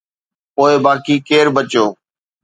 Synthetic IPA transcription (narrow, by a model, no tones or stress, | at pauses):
poːɪbaːkiːkeːɾbət͡ʃjoː